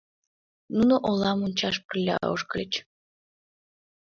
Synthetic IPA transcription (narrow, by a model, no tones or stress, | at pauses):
nunoʔolˠɑmunʲt͡ɕɑʃ̬pərlʲɑ̰o̰ʃkəlʲət͡ɕ